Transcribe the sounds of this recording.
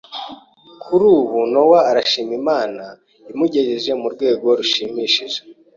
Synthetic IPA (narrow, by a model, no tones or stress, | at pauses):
kʰuɾuːβunowaːɾaʃiːmimaːna | imuɟe̞ʒiʒe̞muɾɡwe̞ːɡo̞ɾuʃiːmiːʃiʒe